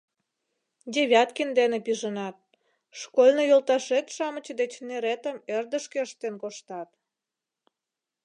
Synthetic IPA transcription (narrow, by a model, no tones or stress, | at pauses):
d̪ʲeβʲɑt̪kind̪enepiʒənɑt̪̚ | ʃkolʲnojolt̪ɑʃet̪ʃɑmət͡ɕəd̪et͡ɕneɾet̪əmerd̪əʃkeəʃt̪enkoʃt̪ɑt̪̚